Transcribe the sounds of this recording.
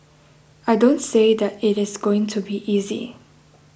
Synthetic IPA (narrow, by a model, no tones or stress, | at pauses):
aɪdõʊ̃ntseɪðətɪɾɪzɡoɪ̃ŋtʰubiʔiːzḭ